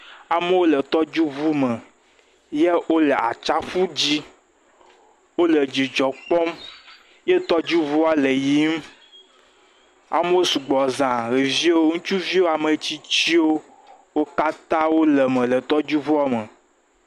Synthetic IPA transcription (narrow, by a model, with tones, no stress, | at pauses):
a˨me˦wo˦lə˨t̪ɔ˦d͡ʒu˦vu˦mə˨ | je˦o˦lə˨a̰˨t͡ʃa˦fu˦d͡ʑi˦ | wo˦lə˨d͡ʑi˨d͡ʒɔ˨k͡pɔ˦m | je˦t̪ɔ˦d͡ʒu˦vu˦a˦le˨ji˦m˦ | a̰˨me˦wo˦su˨ɡ͡bɔ˨zã˨ɣe˨vi˦wo˦ŋũ˦t͡ʃu˦vi˦o˦a˨me˨t͡ɕi˦t͡ɕi˦wo˦ | wo˦ka˦t̪ã˦wo˦lə˨mẽ˨lə˨t̪ɔ˦d͡ʒu˦vu˦a˨me˨